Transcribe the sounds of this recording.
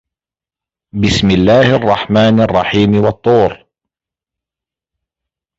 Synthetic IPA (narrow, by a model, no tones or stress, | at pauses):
bɪsmɪlːaːhʔɑrˤːɑħmaːnɑrˤːɑħiːmwɑt̪ˤːuːɾ